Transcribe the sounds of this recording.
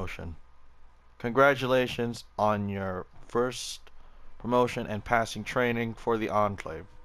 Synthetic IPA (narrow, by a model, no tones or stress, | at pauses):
ʃɨ̰̃n | kʰɨ̃nɡɹæt͡ʃəleɪʃɨ̃nzn̩jə˞fɜ˞stpʰɹ̥əmoʊʃɨ̃nʔɨ̰̃npʰæsɪ̃ŋtʰɹ̥ẽɪ̃nɪ̃ŋfə˞ðiʔɑ̃nkʰlḛɪv̥